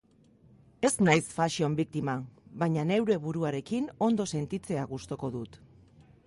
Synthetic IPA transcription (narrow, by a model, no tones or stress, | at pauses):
e̞znajsfaʃio̞mbik̚t̪imaβajɲane̞wɾe̞βuɾuaɾe̞kino̞nd̪o̞se̞nt̪it͡se̞aɣust̪o̞ko̞ðut̪